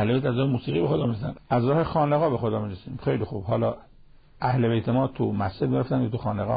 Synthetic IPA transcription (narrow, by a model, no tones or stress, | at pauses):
hleβejt̪æzɾɒːhemuːsiːɣibexod̪ɒːmiɾesæ̰næzɾɒːhexɒːneɣɒːbe̞xod̪ɒːmiɾesiːmxejlixuːb̥hɒːlɒː | ʔæhle̞bejt̪ʰemɒːt̪ʰumæst͡ʃed̪meɾeft̪ænkʰet̪uxɒːneɣɒ̰